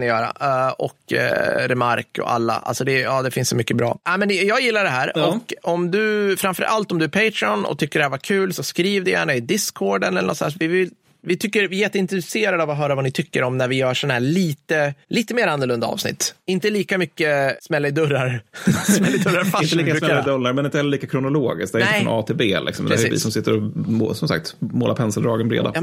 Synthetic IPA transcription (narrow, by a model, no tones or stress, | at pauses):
nɪjœːɾa̰ɔ̰kɾɛmaɾkɔ̰a̰lːa̰ʔa̰lsɔd̪ɛjɑːd̪ɛfɪnsɔmʏkːəbɾɑ̰ːɛmɛnjɑːɡjɪlːaɖɛɦæːɾɔkɔmd̪ɵfɾamfœ̰ɾʔa̰lt̪ɔmd̪ɵæɾpʰeɪt̪ɾɪɔnɔ̰t̪ʰʏkːəɖɛhæːvaɾkʰʉ̟ːlsɔskɾiːvd̪ɛjæ̰ːɳaɪd̪ɪskʰːoːɖənɛlːənɔtsɔd̪æːʂvɪvɪl | vɪt̪ʰʏkːəɾvɪjɛt̪ːəɪnt̪ɾɛseːɾad̪əavɔɦœːɾavanɪt̪ʰʏkːəɾɔmnæɾvɪjœːʂɔnahæːɭiːt̪əliːt̪əmeːɾanːɔɭɵnd̪a̰ɑ̰ːvsnɪ̰t̪ːɪnt̪əliːkamʏkːəsmɛlːaɪd̪ɵɾːaɾsmɛlːɪd̪ɵɾːaɾfaɪnəliːkːsɛlːaɪd̪ɵlːaɾmɛnɪnt̪əhɛlːəliːkakʰɾʊnʊloːɡɪ̰sk̚d̪æɾɪɛɑːt̪ʰebḛːlʔɪ̰ksɔmd̪ɛævɪ̰sɔmsɪt̪ːəɾɔsɔmsa̰k̚t̪moːlapʰɛnsəld̪ɾɑːɡənbɾḛːd̪a̰j